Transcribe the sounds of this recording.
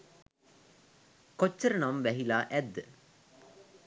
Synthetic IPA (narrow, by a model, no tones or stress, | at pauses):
kot͡ʃːəɾənamʋæɦilaːʔæd̪ːə